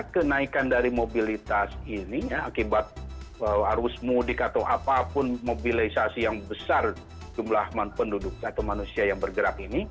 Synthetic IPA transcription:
akənaikandaɾimobilit̪asinijaakibat̪̚əaɾʊsmudɪkat̪awʔapapʊnmobilisasijaŋbəsar | d͡ʒumlahmapəndudʊk̚at̪awmanusiajaŋbərɡəɾapini

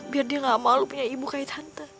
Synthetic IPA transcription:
biardiaŋɡamalupuɲaibukait̪hant̪a

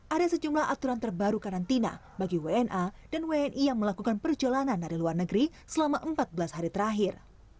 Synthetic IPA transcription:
ʔadasəd͡ʒumlaha̰t̪uɾant̪ərbaɾukaɾant̪ina̰ | baɡiweɛnʔadanweɛnʔijaŋməlakukanpərd͡ʒolanandaɾiluarnəɡɾi | səlamaʔəmpat̪̚bəlasɦaɾit̪əɾaɦɪr

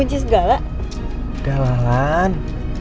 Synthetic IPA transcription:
ud͡ʒis̬əɡala | ɡ̥alalan

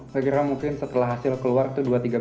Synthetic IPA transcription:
kəkiɾamuŋkɪnsət̪əlaɦasɪlkəluarit̪uduat̪iɡa

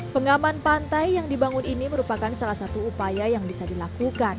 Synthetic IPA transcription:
pəŋamanpant̪ajːaŋdibaŋʊniniməɾupakansalahsat̪uːpajajaŋbisadilakukan

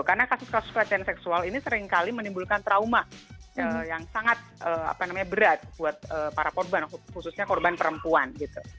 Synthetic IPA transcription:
karnakasʊskasʊspəɾat͡ʃaansɛksualinisəɾɪŋkalimənimbulkant̪ɾaumaəjaŋsaŋat̪̚ʔəːa̰panamaɲabəɾat̪̚buat̪̚əːpaɾakɔrbanhususɲakɔrbanpəɾəmpuanɡit̪u

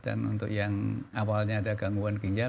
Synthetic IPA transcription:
d̥a̰nṵnt̪ʊkjaŋawalɲaːdaɡaŋuankiɲd͡ʒa

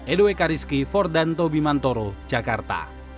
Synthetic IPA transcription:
edoekaɾiskifɔrdant̪obimant̪oɾo̥d͡ʒ̥a̤kart̪a̰

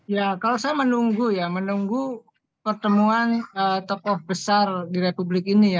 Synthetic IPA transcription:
jakalosajamənuŋɡujamənuŋɡu | pərt̪əmuanət̪ɔkɔhbəsardiɾepublɪk̚inija

